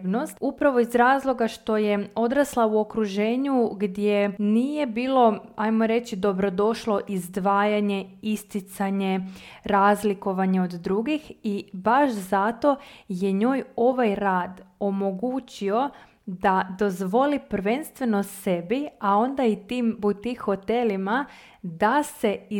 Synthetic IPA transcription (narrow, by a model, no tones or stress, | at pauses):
nost̪upɾaʋo̞izɾaːzlˠo̞ɡaʃt̪o̞je̞o̞d̪ɾaslˠauo̞kɾuʒe̞ːɲuɡd̪jeniːje̞biːlˠo̞ajmo̞ɾe̞t͡ɕid̪o̞bɾo̞d̪o̞ʃlo̞ʔizd̪ʋaːjaɲe̞ist̪it̪saɲe̞ɾaːzliko̞ʋaɲeo̞d̪ːɾuɡixibaʃzat̪o̞je̞ɲo̞ːjo̞ʋajɾaːd̪o̞mo̞ɡut͡ɕio̞ | d̪ad̪o̞zʋo̞lipɾʋe̞nst̪ʋe̞no̞se̞biao̞nd̪ait̪iːmbut̪ixo̞t̪e̞lima | d̪ase̞i